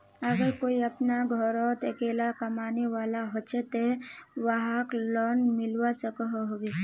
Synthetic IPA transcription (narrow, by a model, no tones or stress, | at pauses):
əɡəɾkoːiɐpnaɡʱɔɾɔt̪əkeːlakɐmaːneʋaːlaɦot͡ʃet̪eʋaɦaklɔːnmɪlwasəkəɦoɦobe